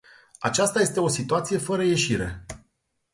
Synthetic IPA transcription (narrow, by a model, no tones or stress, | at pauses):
at͡ʃast̪aje̞st̪e̞o̞sit̪uat̪sije̞fəɾəje̞ʃiɾe̞̰